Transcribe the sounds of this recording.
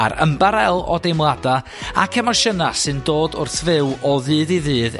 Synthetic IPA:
a̰ɾə̰mbaɾɛlˠɔdejmlˠada | a̰kʰɛmɔʃənasɨndoːdʊ̰rθvɪwɔðɨːðiðɨːð

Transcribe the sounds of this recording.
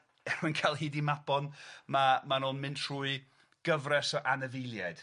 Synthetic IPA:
ɛrunkʰajlˠhiːdimabɔnmamanonmɨntʰr̥uːɨ | ɡ̥əvrɛsɔʔanɛvɪlˠjad̥

